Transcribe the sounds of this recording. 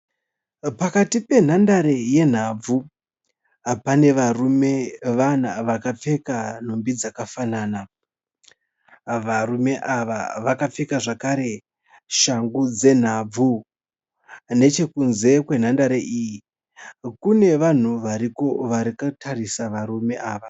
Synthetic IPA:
pakatipe̞n̤andaɾeje̞n̤ab͡vu | pane̞ʋarume̞ʋanaʋakap͡fe̞kan̤ombid͡zakafanaːna | ʋarume̞ʔaʋa̰ʋakap͡fekaʐakaɾe̞ | ʃaŋɡud͡ze̞n̤ab͡vu | ne̞t͡ʃe̞kunze̞kwe̞n̤andaɾeʔiːji | kune̞ʋan̤uʋaɾiko̞ʋaɾikatʰarisaʋaɾume̞ʔaːʋa

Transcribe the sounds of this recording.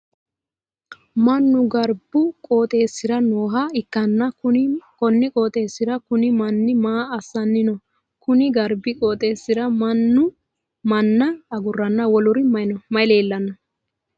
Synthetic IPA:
mɐnːʊɡɐɾbʊkʼoːt̪ʼe̞ːsːɪɾɐno̞ːɦɐɪkːɐnːɐʊkɔnːɪkʼoːt̪ʼe̞ːsːɪɾɐkʊnɪmɐnːɪmaːɐsːɐnːɪnɔ | kʊnɪɡɐɾbɪkʼoːt̪ʼe̞ːsːɪɾɐmɐnːʊ | mɐnːɐːɡʊrːɐnːɐwɔlʊɾɪmɐjnɔmɐjle̞ːlːɐnːɐ

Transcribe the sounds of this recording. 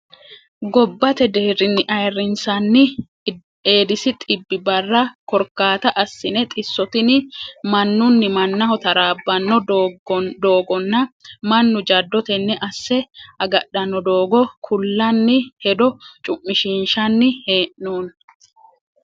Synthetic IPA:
ɡɔbːɐt̪ɛd̪e̞ːrɪnːɪʔɐjrːɪnsɐnːɪ | eːd̪ɪsɪt̪ʼɪbːɪbɐrːɐkɔɾkːaːt̪ɐʔɐsːɪnɛt̪ʼɪsːɔt̪ɪnɪmɐnːʊnːɪmɐnːɐhɔt̪ɐɾaːbːɐnːɔ | d̪o̞ːɡɔnːɐmɐnːʊd͡ʒɐd̪ːɔt̪ɛnːɛʔɐsːɛʔɐɡɐɗɐnːɔd̪oːɡɔkʰʊlːɐnːɪhɛd̪ɔt͡ʃʼʊʔːɪʃiːnʃɐnːɪhe̞ːʔnuːn

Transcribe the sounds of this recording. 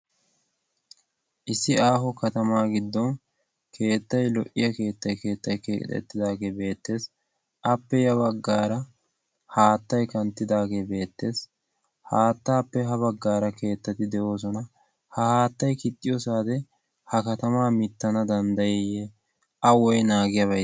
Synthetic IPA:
ʔɪsːɪaːɦɔkɐt̪ɐmaːɡɪd̪ːɔn | kʰe̞ːt̪ːɐjlɔʔɪjɐke̞ːt̪ːɐjkeːt̪ːɐjkḛt̪ʼɛ̰t̪ːɪd̪aːɡebe̞ːt̪ːe̞ːs | ʔɐpːɛjɐβɐɡːaːɾɐ | haːt̪ːɐjkɐnt̪ːɪd̪aːɡebe̞ːt̪ːe̞ːs | haːt̪ːaːpːɛɦɐbɐɡːaːɾɐke̞ːt̪ːɐt̪ɪd̪ɛʔo̞ːs̬ɔnɐ | hɐhaːt̪ːɐjkɪt̪ʼːɪjɔsaːd̪ɛ | hɐkɐt̪ɐmaːmɪt̪ːɐnɐd̪ɐnd̪ɐjɛjɛ | ʔɐwɔjnaːɡɪjɐbɐ

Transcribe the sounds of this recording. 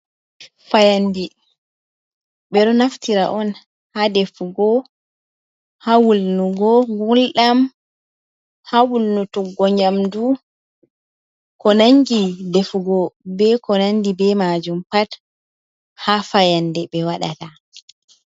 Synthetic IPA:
fajandɛ | ɓɛɗɔnaftiɾa̰ʔɔn | hadefuɡɔ | hawulnuɡɔɡulɗam | hawulnutuɡːɔɲamdu | kɔnaŋɡidefuɡɔbɛkɔnandibɛmad͡ʒumpat | hafajandɛɓɛwaɗa̰ta

